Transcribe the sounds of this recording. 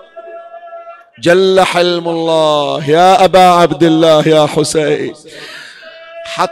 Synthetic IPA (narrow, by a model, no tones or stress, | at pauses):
d͡ʒalːaħɪlmalˤːɑːhjaːʔabaːʕabd̪ɪlːaːhjaːħʊsaj | ħɑ